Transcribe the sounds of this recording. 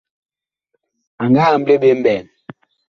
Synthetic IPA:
a˨ŋɡaː˦˨m̩˦ble˦ɓe˦m̩˦bɛː˨n

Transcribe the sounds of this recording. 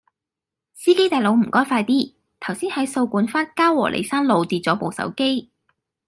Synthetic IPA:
siː˥ke˥jt̪aː˨˩lo˨˧wm̩˨˩kɔː˥jfaː˧jt̪iː˥ | t̪ʰɐ˨˩wsiː˥nhɐ˨˥jso˧wkuː˨˥nfaː˥nkaː˥wɔ̰ː˨˩lʔḛ˨˩jsaː˥nlo˨˧wt̪iː˨t̚t͡sɔː˨˥po˨˧wsɐ̰˨˥wke˥j

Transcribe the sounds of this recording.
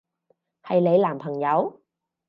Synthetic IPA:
ha˨˩jle˨˦jlaː˨˩mpʰə˨˩ŋza˨˧˦w

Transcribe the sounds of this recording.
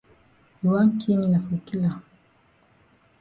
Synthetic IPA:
u˨wa˦ŋ˦kʰi˦mi˨na˨fu˨ki˦la˨

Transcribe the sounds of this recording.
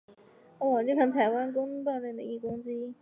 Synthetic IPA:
ɔ˥˩wɔ˨˩t͡ɕjo˥˩kʰa˧˥ŋt̪ʰa˧˥ɪwa˥nkʊ˥ŋ˥p̬ɑ˥˧ʊɻɛ˥˩nd̪ə˩i˥˩kʊ˥ŋt͡ɕi˥

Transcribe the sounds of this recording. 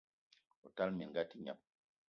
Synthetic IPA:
o̰˨ta˦lmi˨ŋɡa˦ti˦ɲa̰˨p̚

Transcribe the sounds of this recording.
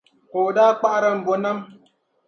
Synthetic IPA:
ko˨daː˦k͡pa˦ʔɾa˦n˨bo˨na˦m

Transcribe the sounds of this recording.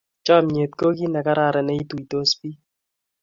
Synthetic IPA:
t͡ʃɔ˦˨mɲe˨t̪̚ko˦ki˦nɛ˨ka˦ɾa˦˨ɾɛ˨nɛ˦i˦tu˨i˨to˦spi˦

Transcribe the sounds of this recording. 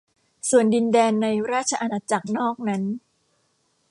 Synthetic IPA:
su˨˩əndi˧ndɛː˧nːa˧jɾaː˥˩t̚t͡ɕʰa˧ʔa˧naː˧t͡ɕa˨˩k̚nɔː˥˩k̚na˦˥n

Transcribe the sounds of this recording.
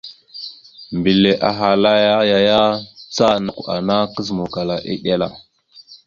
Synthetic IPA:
mbi˨le˨ʔa˨ɦa˨la˦ja˦ja˨ja˦t͡sa˦na˨kʷa̰˨na˦kə˦zmu˨ka˨la˨ʔḭ˦ɗe˦la˦˨

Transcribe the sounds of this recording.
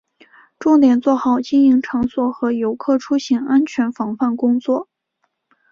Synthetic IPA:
ʈ͡ʂʊ˥˩ŋt̪jɛ˨˩nt͡swɔ˥˩xɑ˨˩ʊt͡ɕi˥ni˧˥ŋʈ͡ʂʰɤ˧˥ŋswɔ˨˩xɤ˧˥jo˧˥ʊkʰɤ˥˩ʈ͡ʂʰu˥ɕi˧˥ŋa˥nt͡ɕʰɥɛ˧˥nfɑ˧˥ŋfa˥˩nkʊ˥ŋt͡swɔ˥˩

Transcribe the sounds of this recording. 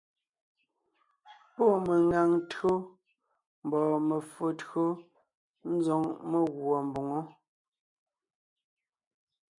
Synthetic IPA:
po˦˨me˨ŋa˨ŋtɰo˦ | m̩˨bɔː˨me˨fo˨tɰo˦ | n̩˦zɔ˦ŋme˦ɣwɔ˨m˨bo˨ŋo˦

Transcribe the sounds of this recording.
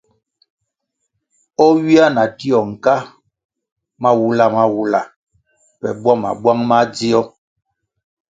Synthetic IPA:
ɔ˦wi˦a˦na˨ti˦ɔ˨ŋ̩˨ka˦ | ma˦wu˦la˦ma˦wu˦la˨ | pɛ̰˨bwa˦ma̰˨bwa˦ŋma˦d͡zi˦ɔ˦

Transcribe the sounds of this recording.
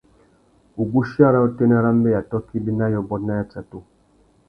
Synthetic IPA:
u˨ɡu˦ʃja˦˨ɾa˦u˦te˦nɛ˦ɾa˦m˦bɛ˦ja˨tɔ˦ki˦bi˦na˦jɔ˨bɔ˦tna˦ja˦t͡sa˨tu˦

